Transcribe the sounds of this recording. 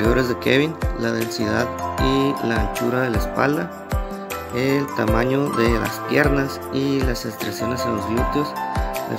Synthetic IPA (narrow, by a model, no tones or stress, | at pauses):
oɾe̞zðekḛβinlaðe̞nsiðaðilaːnt͡ʃuɾaðe̞laespa̰ld̪a | elt̪amaɲo̞ðe̞la̰spje̞ɾnas | ilasest̪ɾasjo̞ne̞senlo̞zβlut̪osd̪ḛ